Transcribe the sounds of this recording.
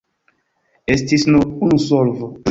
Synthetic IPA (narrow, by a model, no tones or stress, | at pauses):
estisnounusolvo